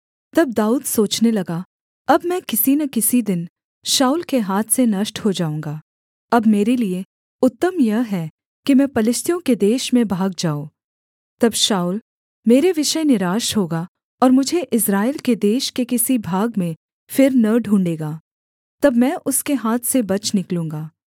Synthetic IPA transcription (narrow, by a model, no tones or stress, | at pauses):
t̪ɐb̚d̪aːuːd̪soːt͡ʃnelɐɡa | ɐbmɛ̃ːkɪsinɐkɪsid̪ɪn | ʃaːuːlkeɦaːt̪ʰsenɐʃʈhod͡ʒaːũːŋɡaː | ɐbmeːɾelie | ʊt̪ːəmjɐɦɦɛ | kimɛ̃pɐlɪst̪ʰijõked̪eːʃmẽbʱaːɡ̚d͡ʒaːoː | t̪ɐbʃaːul | meːɾeʋɪʃəjnɪɾaːʃɦoːɡa | ɔːɾmʊd͡ʒʱeʔɪsɾaːelked̪eːʃkekɪsibʱaːɡmẽ | fɪɾnɐɖʱũːɳɖeːɡaː | t̪ɐbmɛ̃ːʔʊskeɦaːt̪ʰsebɐt͡ʃnɪklũːŋɡaː